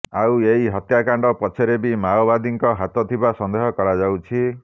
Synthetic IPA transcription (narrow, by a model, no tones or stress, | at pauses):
aweiɦɔt̪jakaɳɖɔpɔt͡ʃʰeɾebimaɔbad̪iŋkɔɦat̪ɔt̪ʰibasɔnd̪eɦɔkɔɽad͡ʒawt͡ʃʰi